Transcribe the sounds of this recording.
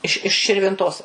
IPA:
ɪʃ ɪʃ ʃʲɪrʲʋʲɪnˈtoːs

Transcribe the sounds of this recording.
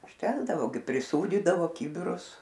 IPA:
ʊʃʲˈtʲæːɡdɐʋoː ɡʲɪ pʲrʲɪˈsuːdʲiːdɐʋoː ˈkʲiːbʲɪrʊs

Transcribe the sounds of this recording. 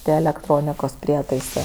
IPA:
ˈtʲiɛ ɛlʲɛkˈtroːnʲɪkoːs ˈpʲrʲiɛtɐɪsɜ

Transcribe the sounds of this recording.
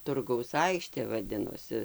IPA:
ˈtʊrɡɐʊs ˈɐɪkʃʲtʲeː ʋɐˈdʲɪnoːsʲɪ

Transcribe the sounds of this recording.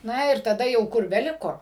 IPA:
ˈnɐ ɪr tɐˈdɐ jɛʊ ˈkʊr bʲɛˈlʲɪkoː

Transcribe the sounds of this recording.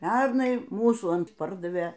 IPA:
ˈpʲɛrnɐɪ ˈmuːsuː ˈɐnt ˈpɐrdɐʋʲeː

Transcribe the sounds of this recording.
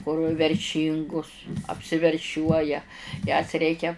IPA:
kʊr ʋʲɛrʲˈʃʲiːŋɡʊs ɐpʲsʲɪʋʲɛrʲˈʃʲuɔjɛ jɛs ˈrʲɛɪkʲɛ

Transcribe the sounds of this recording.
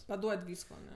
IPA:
pɐˈduɔtʲ ˈʋʲiːskoː ɐˈnʲɛ

